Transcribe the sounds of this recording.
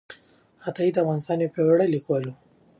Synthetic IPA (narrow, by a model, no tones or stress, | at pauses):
hat̪ɑid̪əavɣɑːnɪst̪ɑnjepewaɽalikwɑlu